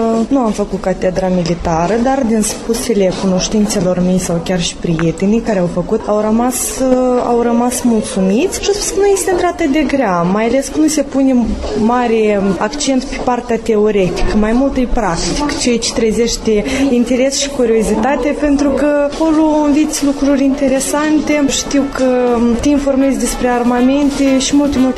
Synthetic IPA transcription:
nuamfəkut̪̚kat̪ed̪ɾamilit̪aɾəd̪ard̪inspusele̞kuno̞ʃt̪int̪se̞lo̞rme̞jsawkʲarʃi̥pɾije̞t̪e̞nijkaɾeawfəkut̪awɾəmas | a̰wrəmasmult̪sumit̪sʲʃiaspu̥skənuje̞st̪ent̪ɾat̪ɨd̪e̞ɡɾeamajale̞skənuse̞punemaɾeakt͡ʃe̞nt̪pe̥part̪ʲeat̪e̞o̞ɾe̞t̪i̥kəmajmult̪ɨjpɾakt̪ikt͡ʃejt͡ʃe̥t̪ɾəzeʃt̪ʲeint̪e̞ɾe̞sʃi̥kuɾio̞zit̪at̪ʲape̞nt̪ɾukəko̞loɨnvit̪sʲlukɾurʲint̪e̞ɾe̞sant̪eʃt̪iwkət̪einfo̞rme̞zʲd̪espɾearmame̞nt̪eʃimult̪emult̪

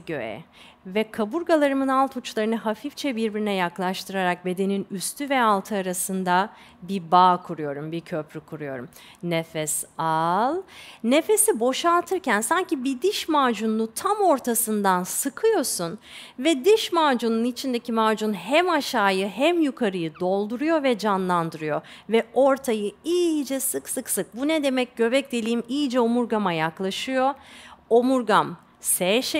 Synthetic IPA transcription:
ɟø̰jɛ̰vɛkʰabuɾɡalˠaɾɯmɯnalˠt̪ʰut͡ʃlˠaɾɯnɯɦafift͡ʃʰɛbiɾbiɾinɛjaklˠaʃt̪ʰɯɾaɾak̚be̞d̪e̞ninyst̪ʰyvɛalˠt̪ʰɯaɾasɯnd̪a | bibaːkʰuɾujo̞ɾumbiɾcʰø̞pɾykʰuɾujo̞̰ɾum | nefɛsalˠne̞fe̞sibo̞ʃalˠt̪ʰɯɾcʰænsaɲcibid̪iʃmaːd͡ʒunːut̪ʰamo̞ɾt̪ʰasɯnd̪ansɯkʰɯjo̞sun | vɛd̪iʃmaːd͡ʒununit͡ʃʰind̪ecʰimaːd͡ʒunhɛmaʃaːjɯɦɛmjukʰaɾɯjɯd̪o̞lˠd̪uɾujo̞vɛd͡ʒanlˠand̪ɯɾɯjo̞vɛo̞ɾt̪ʰajɯiːd͡ʒɛsɯksɯksɯk̚bunɛd̪e̞mɛc̚ɟ̥ø̞vɛc̚d̪elʲiːimiːd͡ʒɛomuɾɡamajaklˠaʃɯjo̞omuɾɡam | sɛʃ

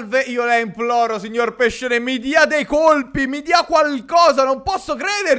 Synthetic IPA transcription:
lveiːolaimplɔːɾosiɲːorpeʃːenemid̪iːad̪ejkolpimid̪iakwalkɔːzanompɔsːokɾeːd̪eɾ

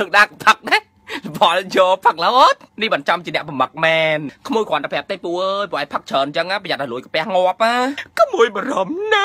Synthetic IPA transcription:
ɨːk̚ɗaːkpʰək̚ɗe | ɓɑljɔːpʰək̚lɔt̪̚nihɓant͡ɕɑmt͡ɕiənɛ̆əʔpumək̚mɛːnkʰmuəjkʰoənt̪əpʰɛ̆əp̚t̪eːpuəʔəːjpɔʔaːjpʰək̚t͡ɕʰəːnt͡ɕəŋaːpʰajat̪̚ːəluəjkəpɛ̆əhŋŏəp̚ʔaːkɔmuəjɓɑɾɑmna

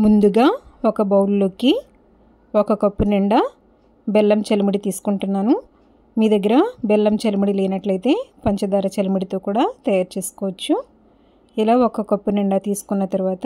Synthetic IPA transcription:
mund̪uɡaːokɐbɐwlulokːi | ɔkɐkɐpːuniɳɖaː | belːɐmt͡ʃelumiɽit̪iːsu̥kuɳʈunːaːnu | miːd̪ɐɡːɐɾɐbɛlːɐmt͡ʃelumiɽileːnɐʈlɐjt̪e̞ːpɐɲt͡ʃɐd̪aːɾɐt͡ʃelumiɽit̪o̞ːkuːɽaːt̪ɐjaːɾt͡ʃe̞ːsu̥kɔːʋɐt͡ʃːu | ilaːokɐkɐpːuniɳɖaːt̪iːsu̥kunːɐt̪ɐɾuʋaːt̪ɐ

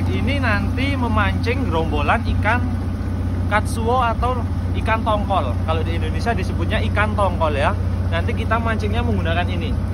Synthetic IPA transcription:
ininant̪iməmaɲt͡ʃɪŋɡɾombolanikan | kat̪̚suoat̪aw | ikant̪ɔŋkɔlkalodiindonesiadisəbut̪̚ɲaikant̪ɔŋkɔljanant̪ikit̪amaɲt͡ʃɪŋɲaməŋɡunakanini

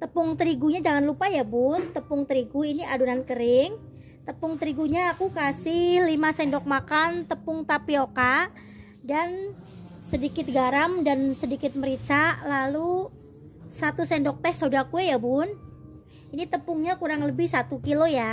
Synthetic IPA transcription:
t̪əpʊŋt̪əɾiɡuɲad͡ʒaŋanlupajabʊnt̪əpʊŋt̪əɾiɡuiniaduɾankəɾɪŋ | t̪əpʊŋt̪əɾiɡuɲaːkukasɪhlimasɛndɔk̚makant̪əpʊŋt̪apioka | dan | sədikɪt̪̚ɡaɾamdansədikɪt̪̚məɾit͡ʃaʔlalu | sat̪usɛndɔk̚t̪ɛhsaudakuɛjabʊn | init̪əpʊŋɲakuɾaŋləbɪhsat̪ukiloja

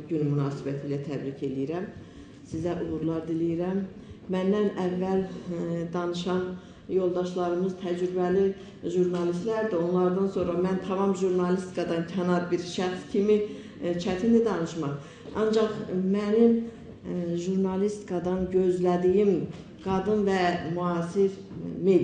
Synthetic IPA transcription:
ɟynmynɑːsibæt̪ʰiːlæt̪ʰæbɾicʰe̞lijiɾæm | sizæʔuʁuɾlˠɑɾd̪ilijiɾæmː | ænd̪ænævːæld̪ɑnɯʃɑn | jo̞lˠd̪ɑʃlˠɑɾɯmɯzt̪ʰæd͡ʒɾybæli | ʒuɾnɑlist̪læɾd̪io̞nlˠɑɾd̪ɑnso̞nɾɑmænt̪ʰɑmɑmʒuɾnɑlist̪kʰɑd̪ɑncʰɑnɑɾbiɾʃæχscʰimi | t͡ʃʰæt̪ʰind̪id̪ɑnɯʃmɑχ | ɑnd͡ʒɑχmænim | ʒuɾnɑlist̪i̥kʰɑd̪ɑnɟø̞zlæd̪ijim | ɡ̥ɑd̪ɯnvæmuɑːsiɾ | me

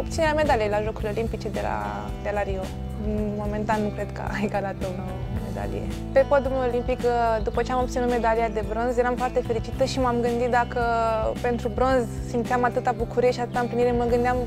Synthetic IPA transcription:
op̚t̪sineɾʲeame̞d̪alijelaʒo̞kulʲeo̞limpit͡ʃe̞d̪ela̰ | d̪elaɾio | mo̞me̞nt̪anːukɾe̞d̪kə̰ʔajɡalat̪onome̞̰d̪a̰lḭjḛ | pe̞pod̪umeolimpikd̪upət͡ʃeamo̞p̚t̪sinut̪me̞d̪alijad̪e̞bɾo̞nzjeɾamfoart̪e̞fe̞ɾit͡ʃit̪əʃimamɡɨnd̪it̪̚d̪akəpe̞nt̪ɾubɾo̞nz | simt̪siamat̪ɨt̪abukuɾijeʃiat̪ɨt̪aɨmpliniɾeməɡɨnd̪eam

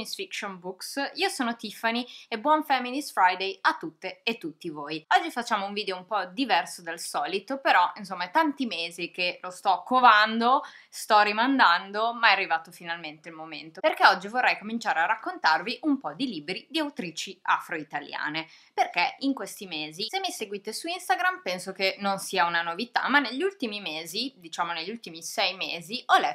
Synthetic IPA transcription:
isfikʃonbuksiːosoːnot̪ifaniebwɔɱfɛmːinisfɾajd̪ejat̪ːut̪ːeːt̪ːut̪ːivoːjɔd͡ʒːifat͡ʃːaːmouɱviːd̪eoumpɔd̪ivɛrsod̪alsɔːlit̪opeɾɔins̬omːat̪ant̪imeːzikelost̪ɔkːovand̪ost̪ɔɾimand̪and̪omaɛarːivaːt̪ofinalment̪elmoment̪operkeɔd͡ʒːivorːɛjkomint͡ʃaːɾearːakːont̪arviʔumpɔd̪iliːbɾid̪iawt̪ɾiːt͡ʃia̰fɾoit̪alja̰ːne | perkeiŋkwest̪imeːzisemːiseɡwit̪esuinst̪aɡɾampɛnsokenonsiːaunanovit̪a̰manːeʎːult̪imimeːzid̪it͡ʃaːmoneʎːiult̪imisɛjmeːziʔɔlɛ

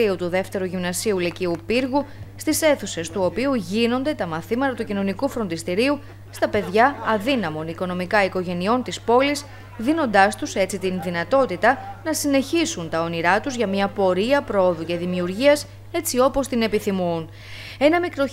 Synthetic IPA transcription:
iut̪uðe̞ft̪e̞ɾuʝimnɐsiuliciupiɾɣust̪ise̞θuse̞st̪uo̞piuʝino̞nd̪e̞t̪ɐmɐθimɐt̪ɐt̪ucino̞nikufɾo̞nd̪ist̪iɾiu | st̪ɐpe̞ðʝɐɐðinɐmo̞niko̞no̞mikɐiko̞ʝe̞nio̞nt̪ispo̞lis | ðino̞nd̪ɐst̪use̞t͡sit̪inðinɐt̪o̞t̪it̪ɐnɐsine̞çisunt̪ɐo̞niɾɐt̪uzʝɐmɲɐpo̞ɾiɐpɾo̞oðuce̞ðimiuɾʝiɐs | e̞t͡sio̞po̞st̪ine̞piθimun | e̞nɐmikɾo̞

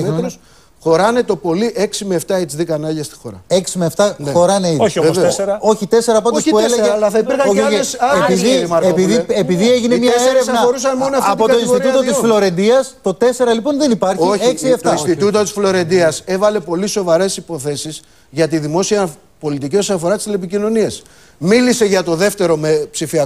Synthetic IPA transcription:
meos | xo̞ɾɐne̞t̪o̞po̞liʔe̞ksimeːft̪ɐet͡siðikɐnɐʝɐst̪i̥xo̞ɾɐ̰eksimeft̪ɐnexo̞ɾɐneiðoçoesveesɾɐo̞çit̪e̞se̞ɾɐpɐndospuelelɐθɐipiɾxɐoosɐeiðiɐepiðiepiðieʝinemɲɐeseɾevnɐoɾus̬ɐnmonoɐfːp̪ooinsiɾt̪ut̪ot̪isflo̞ɾe̞nd̪iɐst̪o̞t̪e̞se̞ɾɐlipo̞nðe̞nipɐɾçoekksieft̪ɐinst̪it̪ut̪ot̪isflo̞ɾe̞nd̪iɐse̞vɐle̞po̞liso̞vɐɾe̞sipo̞θe̞sis | ʝɐt̪iðimo̞siɐ | po̞lit̪icio̞sɐfo̞ɾɐt̪i̥st̪lep̬icino̞nies | milise̞ʝɐt̪o̞ðe̞ft̪e̞ɾo̞mepsifiɐ

